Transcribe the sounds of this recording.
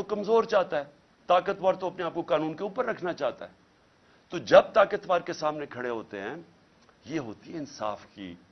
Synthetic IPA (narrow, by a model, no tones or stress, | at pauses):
okɐmzoːɾt͡ʃaːɦt̪aɦɛː | t̪aːkət̪ʋaːɾt̪oɐpneaːp̚kokaːnũːnkeuːpəɾːɐkʰnat͡ʃaːɦt̪a̰ɦɛː | t̪od͡ʒɐb̚t̪aːkət̪ʋaːɾkesaːmnekʰɐɽeɦoːt̪eɦɛ̃ː | jeːɦo̰ːt̪iɦɛ̃ɪnsa̰ːfkḭː